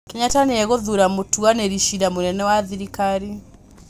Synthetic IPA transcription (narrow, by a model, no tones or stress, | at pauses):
kɛɲataneɛɣoðuɾamotuaneɾiʃiɾamonɛnɛwaðiɾikaɾi